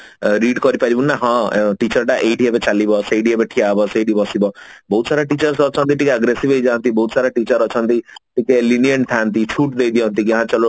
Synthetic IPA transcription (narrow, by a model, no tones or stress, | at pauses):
ɾiɖkʌɾipaɾibunnaɦɔ̃ʈit͡ʃʌɾʈaʔejɖiepet͡ʃalibɔsejɖiebeʈʰiabɔsejɖibɔsibɔbɔɦut̪saɾaʈit͡ʃʌɾsɔt͡ʃʰɔnt̪iʈikeaɡɾesibʱejd͡ʒant̪ibɔɦut̪saɾaʈit͡ʃʌɾɔt͡ʃʰʌnt̪iʈikelinijɔnt̪ʰaːnt̪it͡ʃʰuʈ̚d̪ejd̪iɔ̃nt̪iɡaɦãt͡ʃɔlo